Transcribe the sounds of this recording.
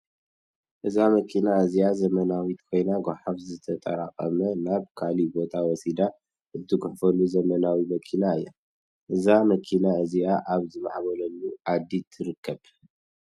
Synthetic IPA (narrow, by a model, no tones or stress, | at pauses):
ʔɨzamɐkʰinaɨziazɐmɐnawit̪kʰo̞jnaɡʷaħafzɨt̪ʰɐt̪ʼɐ̰ɾaqʼɐ̰mɐnaβkʰalibo̞t̪ʰawɔsid̪a | ɨt̪ːɨɡʊħfɐlːuzɐmɐnawimɐkʰinaɨjːa | ʔɨzamɐkʰinaɨziaʔaβzɨma̰ʕβolɐlːuʔad̪ːit̪ʰɨɾɨkːɐβ